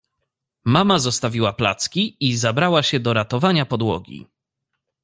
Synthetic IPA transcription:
mamazɔst̪avʲiwapla̰t̪skʲiizabɾawaɕɛd̪ɔɾat̪ɔvaɲapɔd̪wɔ̰ɡʲḭ

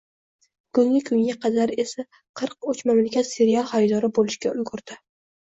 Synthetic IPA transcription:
kʊŋʲɪkʰʊŋɡʲaqʰɑd̪aɾe̞sa | qʰɨɾq̚ot͡ʃmamlɪkʲʰat̪se̞ɾijalˠhajd̪ɒɾɪbolɪʃkʲaʊzɡʊɾd̪̥ɪ

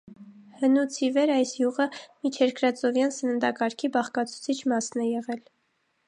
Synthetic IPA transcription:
hənut͡sʰivɛɾɑjsjuʁəmit͡ʃʰɛɾkʰɾɑt͡sɔvjɑnsənənd̪ɑkɑɾkʰibɑχkɑt͡sʰu̥t͡sʰit͡ʃʰmɑsnɛjɛʁɛl

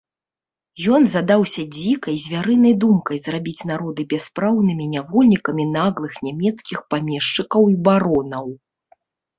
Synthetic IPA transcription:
jɔnzad̪awsʲɐd͡zʲikɐjzʲvʲaɾɨnɐjd̪umkɐjzrabʲit͡sʲnaɾɔd̪ɨbʲɛspɾawnɨmʲinʲavɔlʲnʲikɐmʲinaɣlˠɨxnʲamʲɛt̪skʲixpamʲɛʂt͡ʂɨkɐwibaɾɔnɐw

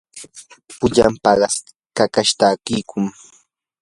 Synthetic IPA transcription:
pʊʎa̰mpɑɢɑs | kakaʃt̪aːkɪːkʰʊŋ

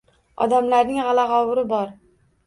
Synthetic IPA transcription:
ɒ̰d̪amlaɾnɪŋʁɑlɑʁɒwʊɾɪbɒɾ

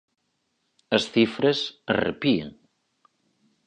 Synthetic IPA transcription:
əsθifɾəzərə̰piə̰n

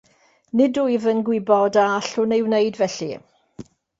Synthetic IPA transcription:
nɪdujvənɡwɪbɔdaaɬʊnejwnejdvɛɬi

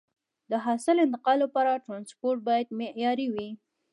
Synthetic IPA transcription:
d̪əɦɑsɪlɪnt̪ɪqɑlːapɑɾaʈɾɑnspoɾʈ̚bɑjad̪meʔjɑɾiwi

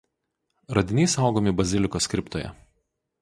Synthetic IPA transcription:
ɾɐd̪ʲɪnʲɛˑɪsɐˑʊɡoːmʲɪbɐzʲɪlʲɪkoːskʲɾʲɪpt̪oːjɛ̰

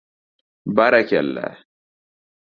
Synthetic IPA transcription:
baɾakʲɛ̰lːa̰

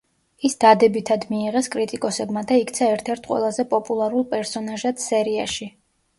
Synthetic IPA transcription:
isd̪̥ad̪ɛbit̪ʰad̪miːʁɛskʼɾit̪ʼikʼɔsɛbmad̪aik̚ʰt̪sʰaɛɾt̪ʰɛɾt̪̚ʰqʼwɛ̰lˠazɛpʼɔpʼulˠaɾulˠpʼɛɾsɔnaʒat̪sɛɾiaʃi

